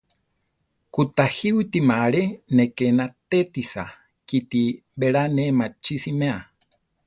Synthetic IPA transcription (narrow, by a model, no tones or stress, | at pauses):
kut̪ahiwit̪imaɾenekenat̪et̪isa̰ | kit̪i | beɺanemat͡ʃisimẽa